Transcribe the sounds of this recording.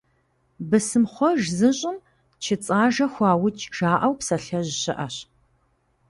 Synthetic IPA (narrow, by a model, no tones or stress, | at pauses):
bɨsɨmχʷɔʒzɨɕʼɪm | t͡ʃʰɪt͡sʼaːʒɐxʷɑːwʊt͡ʃʼʒ̥aːʔɐwpsɐɬɐʑɪɕɪ̰ʔɐɕ